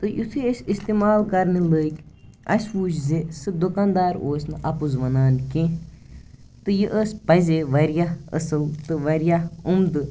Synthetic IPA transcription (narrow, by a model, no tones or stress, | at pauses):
t̪ɨjut̪ʰiəsʲist̪eːmaːlkɐɾniləːkʲ | ɐsʲʋuːt͡ʃʰzesɨd̪ukaːnd̪aːɾoːsʲnɨʔɐpuzʋɐnaːnkẽ | t̪ɨjɨʔəspɐzeʋɐɾjaə̰sɨlt̪ɨʋɐɾjaumd̪ɨ